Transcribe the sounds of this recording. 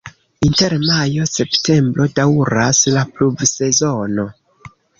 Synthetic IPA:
inte̞ɾmajo̞se̞pte̞mbɾo̞dawɾaslaplubse̞zo̞no̞

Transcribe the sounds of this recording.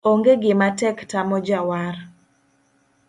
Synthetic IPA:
oŋɡeɡɪmatɛktamɔd͡ʒawaɾ

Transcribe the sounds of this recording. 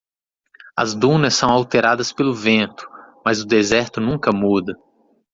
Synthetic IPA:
ɐ̰zd̪ũnɐssɐ̃w̃awt̪eɾad̪ɐspelʊvẽnt̪ʊ̥mɐzʊd̪ezɛɾt̪ʊnũkɐmud̪ɐ

